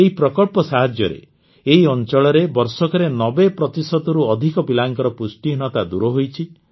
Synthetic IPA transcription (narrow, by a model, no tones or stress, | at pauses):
eɦipɾɔkɔɭpɔsaɦad͡ʒjɔɾḛ | eɦiɔnt͡ʃɔɭɔɾebɔɾsɔkɔɾenɔbepɾɔt̪isɔt̪ɔɾuɔd̪ʱikɔbilaŋkɔɾɔpusʈiɦnɔt̪ad̪uɾɔɦojt͡ʃʰi